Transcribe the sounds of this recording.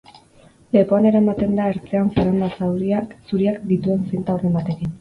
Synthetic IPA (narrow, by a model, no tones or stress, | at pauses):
le̞po̞ane̞ɾaemat̪e̞nd̪ae̞ɾt͡se̞anseɾambasawɾiasuɾiakd̪it̪ue̞nsent̪aurembat̪e̞kin